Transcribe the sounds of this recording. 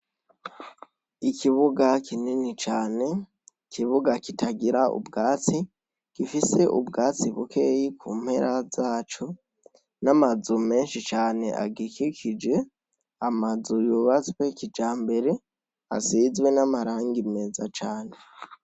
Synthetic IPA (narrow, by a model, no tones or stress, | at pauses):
ikʰiβuɡakʰininit͡ʃaːne̞ | kʰiβuɡakitʰaɡiɾaṵbɡaːt͡si | kifise̞ʔubɡaːt͡siβukʰe̞ːjikʰuːm̥he̞ɾʔazaːt͡ʃo | namazume̞ːnʃit͡ʃaːne̞̰ʔa̰ɡikʰikʰid͡ʒe̞ | amazujuβat͡swe̞kid͡ʒaːmbe̞ɾe̞ | a̰sizwe̞namaɾaːŋɡime̞zat͡ʃaːne̞